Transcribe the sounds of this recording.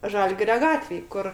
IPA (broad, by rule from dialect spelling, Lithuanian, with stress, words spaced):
ˈʒɐlʲɡʲɪrʲoː ˈɡɑːtʲʋʲeːj ˈkʊr